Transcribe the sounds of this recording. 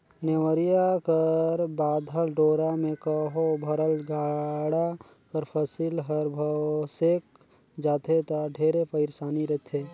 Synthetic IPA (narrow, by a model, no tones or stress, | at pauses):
newəɾijakəɾbaːd̪ʱəlɖoːɾamẽkəɦobʱəɾəlɡʱaːɽa | kəɾpʰəsilɦəɾbʱəsek̚ | d͡ʒaːt̪ʰet̪aɖʱeːɾepəɪɾsaːniɾət̪ʰe